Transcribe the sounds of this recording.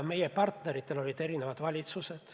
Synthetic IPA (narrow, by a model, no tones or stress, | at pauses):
me̞jepɑrt̪neɾit̪ːe̞lo̞lʲid̪e̞ɾinevɑd̪̥vɑlʲit̪sused̪̥